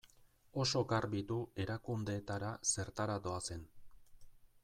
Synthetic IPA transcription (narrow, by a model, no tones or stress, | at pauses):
o̞so̞ɡarbit̪ue̞ɾakund̪e̞ːt̪aɾase̞ɾt̪aɾad̪o̞ase̞n